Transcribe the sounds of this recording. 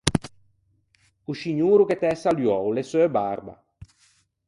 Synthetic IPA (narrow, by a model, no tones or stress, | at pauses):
uʃiɲuːɾuket̪ɛsaljɔwlesøːbaɾba̰